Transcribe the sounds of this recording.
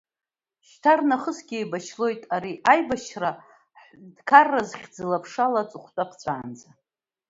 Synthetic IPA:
ʃtʰarnaχəsɡʲejbaʃʰlo̞jtʼaɾiʔajbaʃra | ħdkʰarːazχʲd͡zɨlapʰʂalat͡sʼɨχʷtʼapʰt͡sʷʼaːnd͡za

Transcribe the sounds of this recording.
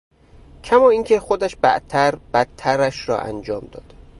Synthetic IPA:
cʰæmɒːiːŋcʰexod̪æʃbæ̰ʔt̪ʰːæɾb̥æt̪ʰːæɾæʃrɒ̰ːʔæ̰nd͡ʒɒːmd̪ɒːd̪̥

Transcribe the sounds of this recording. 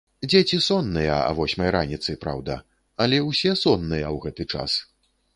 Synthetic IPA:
d͡zʲet͡sʲisɔnːɨjɐɐ̰vɔsʲmɐjɾanʲit̪sɨpɾa̰wd̪ɐ̰ | ɐlʲɛwsʲɛsɔnːɨjɐwɣɛt̪ɨt͡ʂa̰s

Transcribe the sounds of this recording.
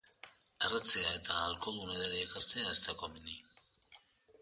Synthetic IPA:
erat͡seae̞t̪aːlkold̪unaðeɾeːkaɾt͡seaest̪akomini

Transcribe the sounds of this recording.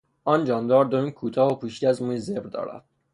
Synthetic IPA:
ʔɒːnd͡ʒɒːnd̪ɒːɾd̪omiːnkʰuːt̪ʰɒːɦopʰuːʃt̪ʲeæzmuːjzebɾd̪ɒ̰ːɾæ̰d̪̥̚

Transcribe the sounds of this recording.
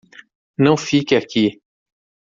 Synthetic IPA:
nɐ̃w̃fikɪaki

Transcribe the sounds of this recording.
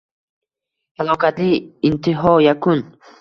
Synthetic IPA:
alokat͡ɬiint̪iɦojakun

